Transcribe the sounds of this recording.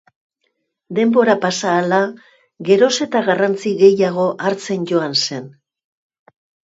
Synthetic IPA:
d̪e̞mbo̞ɾapasaːla | ɣe̞ɾo̞se̞t̪aɣarant͡siɣe̞jaɣ̞o̞ʔaɾt͡se̞nʝo̞anse̞n

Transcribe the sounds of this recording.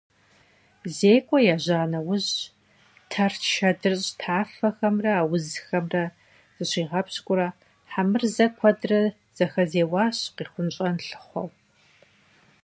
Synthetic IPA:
zeːkʷʼɔjaʑaːnɐwʊʑ | tʰɐrʃɐdɨrɕʼtʰaːfɐxɐmrɐaːwʊzxɐmrɐ | z̥ɨɕiːʁɐpɕkʷʼʊɾɐ | ħamɨrzɐkʷʰɐdrɐ | z̥ɐxɐzeːwɑːɕqiːχʷʊnt͡ʃʼɐnɬɨ̥χʷɔ̰w

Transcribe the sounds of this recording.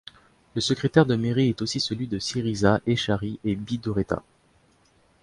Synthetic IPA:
ləsəkχet̪ɛʁd̪əmeʁiɛt̪osisəlɥid̪əsiʁizaʔeʃaʁiʔebid̪oʁet̪a̰

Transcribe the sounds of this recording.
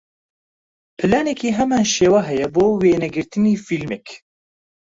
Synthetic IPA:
pʰɨlaːnɛkiːɦɛmaːnʃeːwaːɦɛjɛboːweːnɛɡɨɾt̪ɨniːfilmɛk

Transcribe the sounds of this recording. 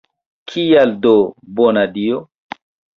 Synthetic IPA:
kʰijaldobonadio

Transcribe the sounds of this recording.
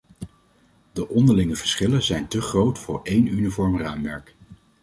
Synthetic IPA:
dəʔɔndəɹlɪŋəvəɹsχɪləzɛjntəχrowtfʊːɹejnynivɔɹmraːmːɛɹk

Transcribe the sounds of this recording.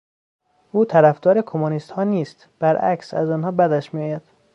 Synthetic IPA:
ʔuːt̪ʰæɾæfd̪ɒːɾekʰomonist̪hɒːniːst̪ | b̥æɾʔæ̰ksæ̰zɒːnhɒːbæd̪æʃmijɒːjæd̪̥

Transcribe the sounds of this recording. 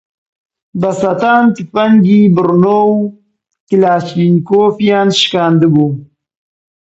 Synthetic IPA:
bɐsat̪aːnt̪ipɐŋɡibəɾnow | kilaːɕinkoːfijaːnʃkaːnd̪əɡu

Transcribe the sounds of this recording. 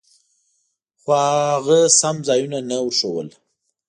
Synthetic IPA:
xoaɣasamzɑjunanauʂəwə̰l

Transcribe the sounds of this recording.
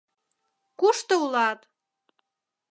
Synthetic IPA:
kuʃt̪oulɑt̪

